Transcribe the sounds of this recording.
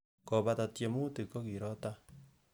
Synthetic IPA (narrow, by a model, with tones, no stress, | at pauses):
ko˨βa˨ta˨tje˨mu˦ti˨ko˦ki˨ɾɔ˦ta˦